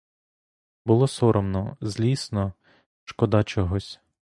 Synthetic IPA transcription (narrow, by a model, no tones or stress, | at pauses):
bʊlˠɔsɔɾɔmnɔzʲlʲisnɔ | ʃkɔd̪ɑt͡ʃɔɦɔsʲ